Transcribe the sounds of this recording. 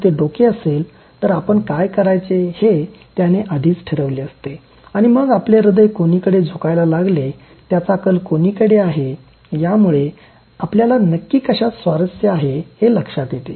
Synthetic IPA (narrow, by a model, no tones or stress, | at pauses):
t̪eɖokeəsel | t̪əɾapəɳkajkəɾajt͡sehe | t̪janeʔad̪ʱiːt͡sʈʰeɾəʋleəst̪e | aɽ̃iməɡapleɾəd̪əjkonikəɽed͡zʱukajlalaɡle | t̪jat͡sakəlkoniːkəɽeaɦe | jamuɭe | apljalanəkːiːkəɕat̪sʋaɾəsjəaɦeheləkʂat̪jet̪e